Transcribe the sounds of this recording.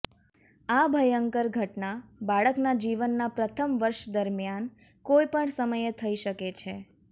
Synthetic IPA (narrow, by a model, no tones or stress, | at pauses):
abʱəjəŋkəɾɡʱəʈnabaɭəknad͡ʒiʋənːapɾət̪ʰəmʋəɾʃd̪əɾmjan | kojpəɳsəməjet̪ʰəiʃəket͡ʃʰe